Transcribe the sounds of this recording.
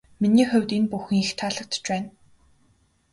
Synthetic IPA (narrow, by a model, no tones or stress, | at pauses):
miniːxʊ̟wʲt̪inpuxɘ̆ŋixt̪ʰaɮə̆k̚t̪ʰt͡ɕpæːn